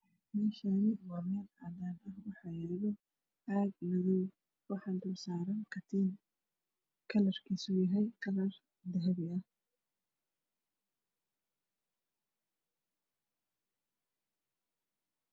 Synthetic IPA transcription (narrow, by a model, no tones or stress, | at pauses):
mɛːʃaːnɪwɑːmɛːlɑːðaːnɐhwɑħɑːjɐβɔ | ʕɑːɡ̪nɐðɪj | wɑħɑːd̪ʊrsaːɾɐnkʰɐt̪ʰin | kʰɐlɐrkʰiːsʊjɐɦɛjkʰɐlɐr | d̪ɐɦɐβɪɐ